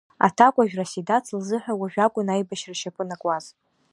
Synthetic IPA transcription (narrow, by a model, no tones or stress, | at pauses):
a̰tʰakʷʼaʒᶣrasidat͡sʰɨlzɨħʷᶣawaʒᶣakʷʼʊnajbaʃraʃapʰɨnakʼwaz